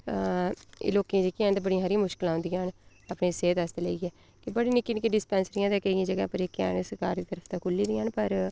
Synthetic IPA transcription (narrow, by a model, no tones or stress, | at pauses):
loːkĩd͡ʒəkiãːnd̪abəɽĩɦəɾĩːmʊʃkɪlãːʊ̃nd̪ijaːn | apneːseːt̪əst̪ːleɡɛː | kɪbəɽiːnɪkːiːnɪkiɖɪspɛ̃ːnsɾĩjãːd̪aːkəiãːd͡ʒəɡã̰ːpəɾeːkːa̰ːnsəɾka̰ːɾd̪iːt̪əɾəfʰt̪ãːkʰʊlːiːd̪ĩːaːnpəɾ